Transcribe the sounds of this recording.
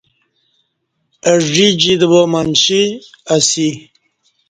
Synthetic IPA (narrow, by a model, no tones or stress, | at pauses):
əʐid͡ʑid̪əbomanɕi | asi